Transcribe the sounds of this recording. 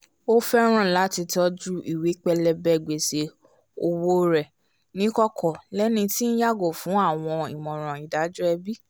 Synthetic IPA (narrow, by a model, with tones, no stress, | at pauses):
o˦fɛ˦ɾ̃ã˦˨la˨˦ti˧tɔ˧˦d͡ʒu˦i˨wi˨˦k͡pɛ˧lɛ˧bɛ˦˨ɡ͡be˨se˧ | o˧wo˦ɾɛ˨ | nĩ˦kɔ˦kʰɔ˨lɛ˨˦nĩ˧ti˦n̩˦ja˦ɡo˦˨fũ˨˦a˦˨w̃ɔ̃˧ḭ˨mɔ̃˨ɾ̃ã˨i˨da˨˦d͡ʒu˦ɛ˧bi˦